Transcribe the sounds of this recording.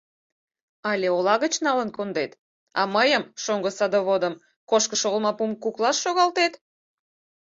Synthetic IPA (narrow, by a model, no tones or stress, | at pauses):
ɑlʲeolɑɣət͡ɕnɑlənkond̪et̪ | ɑ̰məjəmʃoŋɡəsɑd̪oβod̪əm | koʃkəʃoɣlmɑpumkuklɑʃʃoɣɑlt̪et̪